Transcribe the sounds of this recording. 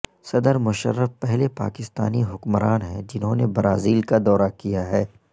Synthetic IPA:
sɐd̪əɾmʊʃə̰ɾːəfpɛɦlepa̰ːkɪst̪aːniɦʊkmɾaːnɦɛ̃d͡ʒɪnɦõnebɾaːziːlkad̪ɔːɾakijaɦɛː

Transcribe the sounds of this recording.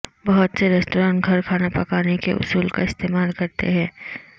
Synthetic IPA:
bɐɦʊt̪seɾɛːsʈoːɾãːʈɡʱɐɾkʰaːnapɐkaːnekḛʔʊ̰suːlka̰ɪst̪eːmaːlkɐɾt̪ḛɦɛ̃ː

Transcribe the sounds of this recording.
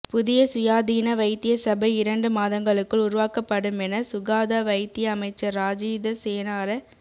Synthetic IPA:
pʊðɪjɐsʊjaːðiːnɐʋɐɪt̪ːɪjɐsɐbɐɪɾɐɳɖɯmaːðɐŋɡɐɭɯkːɯɭʊɾʊʋaːkɐpːɐɽɯmɛnɐsʊɣaːðaʋɐɪt̪ːɪjɐːmɐɪt͡ʃːɐɾːaːd͡ʒiːd̪ɐseːnaːɾɐ

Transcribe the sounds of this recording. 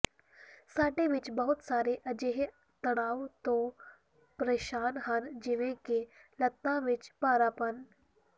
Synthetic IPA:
saːʈẽʋɪt͡ʃbɐɦʊt̪saːɾeʔɐd͡ʒeːɦ | t̪ɐɽ̃aːʋt̪oː | pɾeːʃaːnɦɐnd͡ʒɪʋẽkelɐt̪ːãʋɪt͡ʃpaːɾaːpən

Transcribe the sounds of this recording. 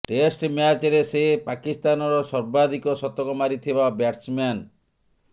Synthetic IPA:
ʈesʈmjat͡ʃeɾesepakist̪anɔɾɔsɔɾbad̪ʱikɔsɔt̪ɔkɔmaɾit̪ʰibabjaʈsman

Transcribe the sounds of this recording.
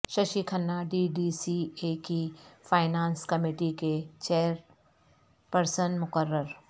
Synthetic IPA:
ʃɐʃikʰɐnːaɖiːɖiːsieːkifʰaːɪnaːnskɐmiːʈiket͡ʃeːəɾ | pəɾsənmʊkəɾːəɾ

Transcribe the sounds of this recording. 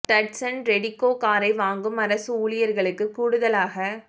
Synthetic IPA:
ʈɐʈsɐnɾɛɽɪkːoːkaːɾɐɪʋaːŋɡɯmɐɾɐsɯuːɭɪjɐɾɣɐɭɯkːɯkːuːɽɯðɐlaːɣɐ

